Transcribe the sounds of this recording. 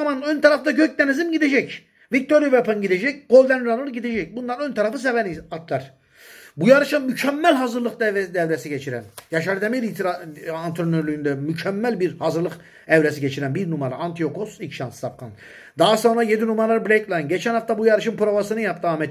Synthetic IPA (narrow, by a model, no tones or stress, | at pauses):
manønt̪ʰaɾaft̪aɟøc̚d̪enizimɟid̪e̞d͡ʒɛc | vic̚t̪ʰo̞ɾjupɛpʰanɟid̪ed͡ʒɛcɡ̥o̞lʲd̪ænuɾanɯɾɟid̪ed͡ʒɛc̚bund̪anønt̪ʰaɾafɯs̬evɛniat̪lˠaɾ̥ | bujaɾɯʃamycʰɛmːælʲɦazɯɾlˠɯkd̪ɛvd̪ɛvɾesiɟet͡ʃʰiɾæ̰njaʃaɾɯd̪emeɾit̪ʰiɾaant̪ʰɾonøɾlʲyynd̪ɛmycʰɛmːælʲbiɾhazɯɾlˠɯk | ɛvɾesiɟet͡ʃʰiɾænbiɾnumaɾa̰ant̪ʰijo̞kʰosicʃanssap̚kʰa̰n | d̪aɦaso̞nɾaje̞d̪inumaɾlˠaɾɯblʲejklˠajnɟet͡ʃʰænhaft̪abujaɾɯʃɯnpɾovasɯnɯjap̚t̪ʰɯamɛt̪